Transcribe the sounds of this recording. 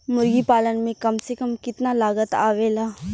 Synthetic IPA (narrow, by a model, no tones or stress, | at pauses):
mʊɾɡipaːlənmẽkɐmsekəmkɪt̪nalaːɡət̪a̰ːʋeːlaː